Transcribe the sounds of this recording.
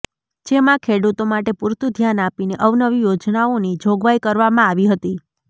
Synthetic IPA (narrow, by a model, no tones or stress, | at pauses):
d͡ʒemãkʰeɽut̪omaʈepuɾt̪ʰud̪ʱjanapineʔəʋnəʋijod͡ʒnaonid͡ʒʱoɡʋajkəɾʋamãaʋiɦət̪i